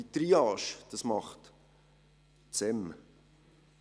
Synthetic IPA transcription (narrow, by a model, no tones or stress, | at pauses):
it̪ɾiɑːʃd̥ɑsmɑχt | t͡sɛm